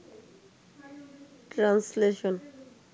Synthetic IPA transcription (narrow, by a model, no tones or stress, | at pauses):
ʈɾansleʃon